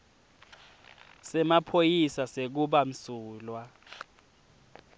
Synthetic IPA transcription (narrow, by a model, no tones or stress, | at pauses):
sɛmapʰojisasek̬uɓam̩suːlwa